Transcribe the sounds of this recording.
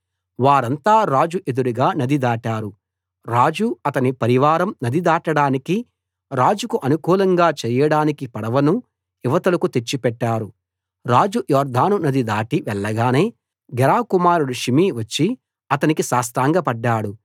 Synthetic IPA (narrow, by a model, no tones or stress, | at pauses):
ʋaːɾɐnt̪aːɾaːd͡ʒuʔed̪uɾuɡaːnɐd̪id̪aːʈaːɾu | ɾaːd͡ʒuɐt̪ɐnipɐɾiʋaːɾɐmnɐd̪id̪aːʈɐɽaːniki | ɾaːd͡ʒukuʔɐnukuːlɐŋɡaːt͡ʃɛːjɐɽaːnikipɐɽɐʋɐnu | iʋɐt̪ɐlɐkut̪e̞t͡ʃːipɛʈːaːɾu | ɾaːd͡ʒujɔːɾd̪ʱaːnunɐd̪id̪aːʈiʋɛɭːɐɡaːne̞ː | ɡɛɾaːkumaːɾuɽuʃimiʋɐt͡ʃːi | ɐt̪ɐnikisaːst̪ɾaːŋɡɐpɐɖːaːɽu